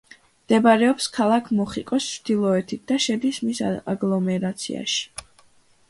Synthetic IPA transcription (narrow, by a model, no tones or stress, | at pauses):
md̪̥ɛbaɾɛɔpskʰalˠakʰmɔχikʼɔst͡ʃʰd̪̥ilˠɔɛt̪ʰit̪̚d̪aʃɛd̪ismisaɡlˠɔmɛɾat̪sʰḭa̰ʃi̥